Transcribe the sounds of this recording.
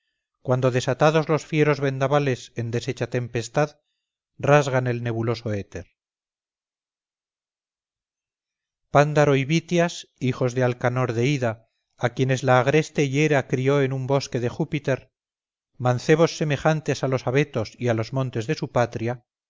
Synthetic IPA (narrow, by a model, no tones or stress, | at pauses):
kwan̪d̪o̞ðe̞sat̪aðo̞zlo̞sfje̞ɾo̞zβe̞nd̪aβale̞se̞nd̪e̞set͡ʃat̪e̞mpe̞st̪að | razɣane̞lne̞βulo̞so̞e̞t̪e̞ɾ | pand̪aɾo̞iβit̪jasixo̞zðe̞alkano̞ɾðe̞iðaː | kje̞ne̞zlaːɣɾe̞st̪e̞je̞ɾakɾio̞e̞numbo̞ske̞ðe̞xupit̪e̞ɾ | manθe̞β̞o̞sːe̞me̞xant̪e̞salo̞saβe̞t̪o̞sialo̞zmõ̞nt̪e̞zðe̞supat̪ɾja